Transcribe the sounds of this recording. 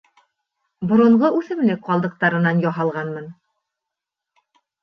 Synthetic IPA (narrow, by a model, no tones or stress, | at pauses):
bŏɾŏɴʁɤʔʉθɘ̆mlɘk̚qɑlˠd̪ɤ̆q̚t̪ɑɾɤ̆nɑnjɒɦɑlˠʁɑnmɤn